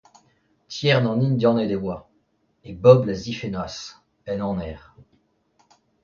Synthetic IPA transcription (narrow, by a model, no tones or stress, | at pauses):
t̪jɛʁnɑ̃nind̪jɑ̃ned̪evwa | ebɔblazifenwas | ɛnɑ̃nɛːʁ